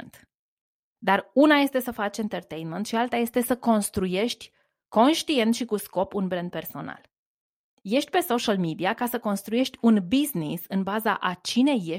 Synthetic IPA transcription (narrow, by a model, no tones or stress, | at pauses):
nt̪ | d̪arunaje̞st̪e̞səfat͡ʃent̪ərt̪ejnment̪ʃialt̪aje̞st̪e̞səko̞nst̪ɾuje̞ʃt̪ʲ | ko̞nʃt̪ie̞nt̪ʃikusko̞punbɾɛnd̪̚pe̞rso̞na̰l | je̞ʃt̪ʲpe̞so̞ʃalmid̪iakasəko̞nst̪ɾuje̞ʃt̪ʲunbiznisɨnbaza̰ʔat͡ʃine̞je